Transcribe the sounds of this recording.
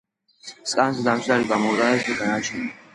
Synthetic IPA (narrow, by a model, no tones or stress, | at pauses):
skʼansd̪amsʰd̪aɾiɡamɔt̪ʼanɛsɛk̪ʼɛnat͡ʃʰɛni